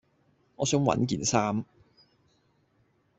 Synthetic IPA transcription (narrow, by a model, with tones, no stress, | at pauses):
ŋɔː˨˧sœː˨˥ŋwɐ̰˨˧˥nk̬iː˨nsaː˥m